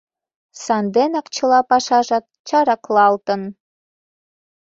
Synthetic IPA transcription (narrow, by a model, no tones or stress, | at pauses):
sɑnd̪enɑkt͡ɕʰə̆lˠɑpɑʃɑʒɑt̪̚t͡ʃɑɾɑklˠɑlˠt̪ɤ̆n